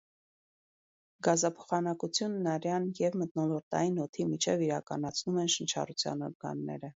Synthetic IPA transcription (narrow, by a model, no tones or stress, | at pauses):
ɡɑzɑpʰɔ̥χɑnɑkut͡sʰjunːɑɾjɑnjɛvmət̪̚nɔlɔɾt̪ɑ̰jinɔt̪ʰimit͡ʃʰɛviɾɑkɑnɑt͡sʰnumɛnʃənt͡ʃʰɑ̰rut͡sʰjɑ̰nɔ̰ɾɡɑ̰nːɛ̰ɾə